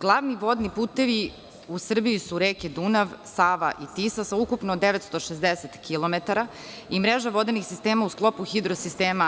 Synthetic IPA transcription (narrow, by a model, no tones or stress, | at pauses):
ɡ̥lˠaʋniʋod̪nipuːt̪eʋi | usr̩biisuɾeːked̪unaʋsaːʋa̰ʔit̪isasaukupnod̪eʋet̪st̪oʃezd̪eset̪kilˠomet̪aɾa | imɾeʒaʋo̞d̪enixsist̪eːmausklˠo̞puxid̪ɾosist̪eːma